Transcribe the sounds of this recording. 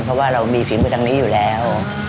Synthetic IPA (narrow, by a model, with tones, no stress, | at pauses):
pʰɾɔ˦˥waː˥˩ɾa˧wmiː˧fiː˨˩˦mɯː˧˩t̪ʰa˧ŋni˦˥juː˨˩lɛː˦˥w